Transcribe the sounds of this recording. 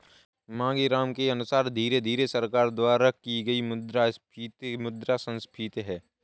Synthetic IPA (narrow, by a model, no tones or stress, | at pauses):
mãːŋɡiɾaːmkeɐnʊsaːɾd̪ʱiːɾed̪ʱiːɾesəɾkaːɾd̪waːɾəkiɡəimʊd̪ɾaspʰit̪mʊd̪ɾasə̃nspʰɪt̪ɦɛː